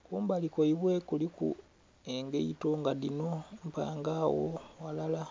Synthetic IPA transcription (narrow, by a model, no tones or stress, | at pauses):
kuːmbalikoiβwe̞kulikṵ | eŋɡeito̞ŋɡadino̞m̩pa̰ːŋɡaːwo̰walala